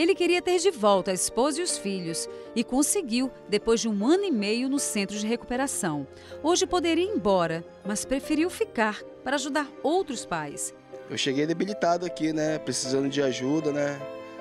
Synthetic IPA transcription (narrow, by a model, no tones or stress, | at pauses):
elɪkeɾiɐt̪eɾd͡ʒɪvɔwt̪ɐispozɐiʊsfiʎʊsɪkõseɡiwd̪epojzd͡ʒɪũɐ̃nʊɪmejʊnʊsẽnt̪ɾʊd͡ʒɪɦeku̥peɾasɐ̃w̃ | oʒɪpod̪eɾiɐẽbɔɾɐ | mɐspɾefeɾiwfikaɾpaɾɐaʒud̪aɾowt̪ɾʊspajs | ḛwʃeɡejd̪ebilit̪ad̪ʊakinɛpɾesizɐ̃nd̪ʊd͡ʒɪaʒud̪ɐnɛ